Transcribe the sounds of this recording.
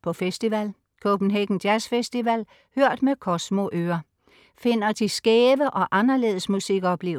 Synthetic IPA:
pʰɒ̽fesd̥iʋæl | kʰob̥n̩ɦeɡ̥n̩d̥jæsfesd̥iʋæl̰ | høɐ̰d̥mekʰɒ̽smo̝ʔøːɐ | fe̝n̰ɐd̥isɡ̥ɛːʋəʔɒ̽ʔɑnɐle̝̰ːðˠəsmusiɡ̥ɒ̽b̥le̝ːʊ

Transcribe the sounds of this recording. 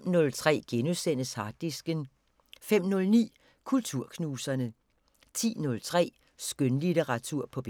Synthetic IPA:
nɔ̽lt͡sʰʁɛ̰ːɡ̥enusen̰əshɑ̈d̥isɡ̥ən | fem̰nɔ̽lnḭː | kʰult͡sʰuɐ̰kʰnuːsɐnə | t͡sʰḭːnɔ̽lt͡sʰʁɛ̰ː | sɡ̥ønlideʁɑ̈t͡sʰuɐ̰pʰɒ̽b̥

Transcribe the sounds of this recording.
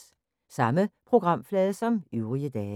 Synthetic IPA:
sɑ̈məpʰʁo̝ɡ̥ʁɑ̈m̰flɛːðˠəsɒ̽myʊʁiəd̥ɛː

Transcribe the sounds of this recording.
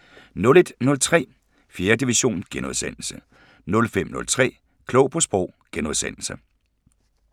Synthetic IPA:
nɔ̽le̝d̥nɔ̽lt͡sʰʁɛ̰ː | fje̝ːɐd̥iʋiɕo̝̰ːnɡ̥enuðˠsen̰l̩sə | nɔ̽lfem̰nɔ̽lt͡sʰʁɛ̰ː | kʰlɔ̽ʊpʰɒ̽sb̥ʁɔʊ̰ɡ̥enuðˠsen̰l̩sə

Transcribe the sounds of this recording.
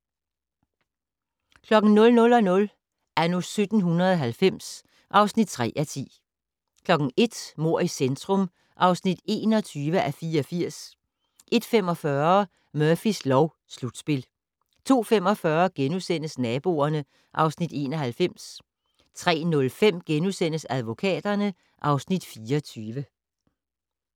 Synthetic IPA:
kʰlɒ̽ɡ̥n̩nɔ̽lnɔ̽lɒ̽nɔ̽l | ænosød̥n̩ɦunɐðˠɒɦælfem̰s | ʔɑ̈ʊsnid̥̚t͡sʰʁɛ̰ːʔæt͡sʰḭː | kʰlɒ̽ɡ̥n̩e̝d̥mo̝ɐ̰isend̥ʰʁɔm | ʔɑ̈ʊsnid̥e̝ːnɒt͡sʰyːʋəʔæfiːɐɒfiɐ̰s | ʔe̝d̥fem̰ɒ̽fɶɐ | mœɐfislɒʊ | slud̥sb̥e̝l | t͡sʰo̝̰ːfem̰ɒ̽fɶɐɡ̥enusen̰əsnɛːb̥o̝̰ɐnə | ʔɑ̈ʊsnid̥e̝̰ːnɒɦælfem̰s | t͡sʰʁɛ̰ːnɔ̽lfem̰ɡ̥enusen̰əsæð̞ˠʋo̝kʰɛ̰ːd̥ɐnə | ʔɑ̈ʊsnid̥fiːɒt͡sʰyːʋə

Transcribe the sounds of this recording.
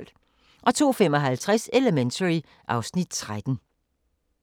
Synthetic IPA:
l̰ | ʔɒ̽t͡sʰo̝̰ːfem̰ɒ̽ɦælt͡sʰʁaseləment͡sʰəʁi | ʔɑ̈ʊsnid̥̚t͡sʰʁad̥n̩

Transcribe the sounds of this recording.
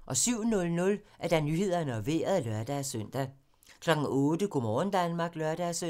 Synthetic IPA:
ʔɒ̽syʊ̰nɔ̽lnɔ̽læɐd̥ɑ̈nyhe̝ð̞̰ˠɐnəɒ̽ʋe̝̰ːɐð̩ˠlœɐd̥æsøn̰d̥æ | kʰlɒ̽ɡ̥ŋ̩ɔ̽ːd̥əɡ̥omɒːn̩d̥ænmɑ̈ːɡ̥lœɐd̥æsø

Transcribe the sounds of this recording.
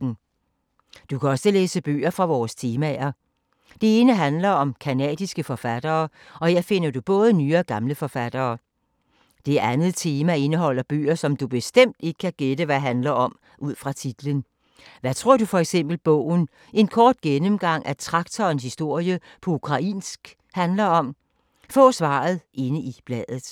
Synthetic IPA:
n̩ | d̥ukʰæɒ̽səleːsəb̥ø̰ːɐfʁɑ̈ʋɒːst͡sʰe̝ːmæɐ | d̥e̝e̝ːnəɦænlɐɒ̽mkʰænɛ̰ːd̥isɡ̥əfɒfæd̥ɐː | ɒ̽he̝ɐ̰fe̝n̰ɐd̥ub̥ɔ̽ːð̞ˠənyːɐɡ̥ɑ̈mləfɒ̽fæd̥ɐː | d̥e̝æænð̞̩ˠt͡sʰe̝ːmæe̝nəɦɒ̽l̰ɐb̥ø̰ːɐsɒ̽md̥ub̥e̝sd̥em̰d̥e̝ɡ̥ə̥kʰæɡ̥ed̥əʋæɦænlɐɒ̽m | ʔuð̰ˠfʁɑ̈t͡sʰid̥lən | ʋæt͡sʰʁo̝ɐ̰d̥ufɒ̽eɡ̥sem̰b̥l̩b̥ɔ̰ʊ̰n̩ | e̝nkʰɒːd̥̚ɡ̥enəmɡ̥ɑ̈ŋ̰ʔæt͡sʰʁɑ̈ɡ̥t͡sʰɒːnshisd̥o̝ɐ̰jəpʰɒ̽ukʰʁɑ̈ʔḭːnsɡ̥ | hænlɐɒ̽m | fɔ̰̽ːsʋɑ̰̈ːð̩ˠʔe̝nəib̥lɛð̰ˠð̩ˠ

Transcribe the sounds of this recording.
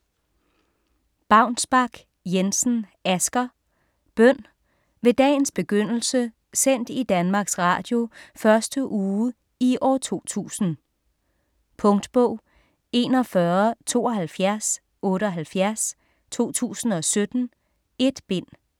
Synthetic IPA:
b̥ɑ̈ʊnsb̥ɑ̈ɡ̥ | jensn̩æsɡ̥ɐ | b̥œn̰ | ʋe̝d̥ɛ̰ːɪn̩sb̥e̝ɡ̥øn̰l̩sə | sen̰d̥id̥ænmɑ̈ːɡ̥sʁɑ̰̈ːd̥jo̝fɶɐsd̥əʔuː | iʔɒ̰ːt͡sʰo̝̰ːt͡sʰṵːsn̩ | pʰɔ̽ŋd̥b̥ɔʊ̰ | e̝ːnɒ̽fɶɐt͡sʰo̝̰ːɒ̽ɦælfjæɐs | ɔ̽ːɾəɒ̽ɦælfjæɐs | t͡sʰo̝̰ːt͡sʰṵːsn̩ɒ̽sød̥n̩ | e̝d̥b̥e̝n̰

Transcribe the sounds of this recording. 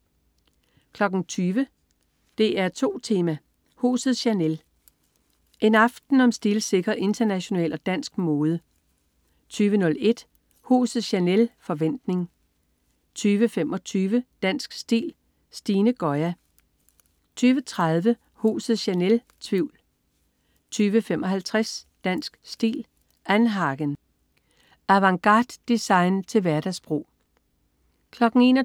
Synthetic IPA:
kʰlɒ̽ɡ̥n̩t͡sʰyːʋə | d̥e̝æɐt͡sʰo̝̰ːt͡sʰe̝ːmæ | hṵːsð̩ˠɕænel | ʔe̝nɑ̈fd̥n̩ɒ̽msd̥ilse̝ɡ̥ʁɐʔe̝nd̥ɐnæɕo̝nɛ̰ːlɒ̽d̥æn̰sɡ̥mo̝ːð̞ˠə | t͡sʰyːʋənɔ̽le̝d̥ | hṵːsð̩ˠɕænelfɒ̽ʋen̰d̥ne̝ŋ | t͡sʰyːʋəfemɒ̽t͡sʰyːʋəd̥æn̰sɡ̥sd̥ḭːl | sd̥iːnəɡ̥ɒ̽ɪæ | t͡sʰyːʋət͡sʰʁaðˠʋə | hṵːsð̩ˠɕænel | t͡sʰʋiʊ̰l | t͡sʰyːʋəfemʔɒ̽ɦælt͡sʰʁasd̥æn̰sɡ̥sd̥ḭːl | ænɦɑ̈ɡ̥ən | æʋɑ̈ŋɡ̥ɑ̈d̥ːisɑ̈ɪnt͡sʰe̝lʋæɐd̥æsb̥ʁo̝̰ː | kʰlɒ̽ɡ̥n̩e̝̰ːn

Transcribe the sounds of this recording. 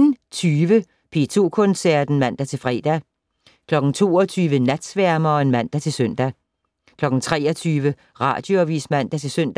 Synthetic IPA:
nt͡sʰyːʋə | pʰe̝t͡sʰo̝̰ːkʰɔ̽nsæɐd̥n̩mæn̰d̥æt͡sʰe̝fʁɛ̰ːd̥æ | kʰlɒ̽ɡ̥n̩t͡sʰo̝̰ːɒt͡sʰyːʋənæd̥sʋæɐ̰mɐːe̝nmæn̰d̥æt͡sʰe̝søn̰d̥æ | kʰlɒ̽ɡ̥n̩t͡sʰʁɛːɒt͡sʰyːʋə | ʁɑ̰̈ːd̥joɒʋḭːsmæn̰d̥æt͡sʰe̝lsøn̰d̥æ

